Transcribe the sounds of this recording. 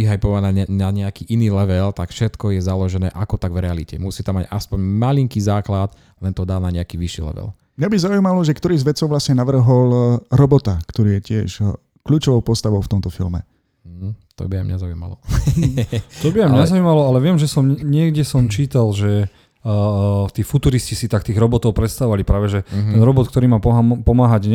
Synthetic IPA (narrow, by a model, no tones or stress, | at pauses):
iɦajpɔʋananaɲɛakiːʔiniːlɛʋɛlt̪akfʃɛt̪kɔjɛzalɔʒɛnɛ̰ːʔakɔt̪aɡvɾɛalicɛ̰musiːt̪amːaɟaspɔɲmaliŋkiːzaːklad̪ | lɛnt̪ɔd̪aːnaɲɛakiːʋiʃḭːlɛ̰ʋɛ̰l | mɲabizaujːmalɔʒɛkt̪ɔɾiːzʋɛt͡sɔʊʋlasɲɛnaʋr̩ɦɔlɾɔbɔt̪akt̪ɔɾiːjɛcɪɛʃ | kʎuːt͡ʃɔʋɔʊpɔst̪aʋɔʊft̪ɔmt̪ɔfḭlmɛ̰ | t̪ɔ̰bia̰mɲazaṵːma̰lɔ | t̪ɔbiajmɲɛzauːmalɔalɛʋɪɛmʒɛsɔmɲɪɛɡɟɛsɔmt͡ʃiːt̪alʒɛ | t̪iːfut̪uːɾiscisit̪ak̚t̪iːɣɾɔbɔt̪ɔʊpɾɛt̪st̪aɔʋalipɾaːʋɛʒɛt̪ɛnɾɔbɔt̪k̚t̪ɔɾiːmaːpɔpɔmaːɦaɟɲ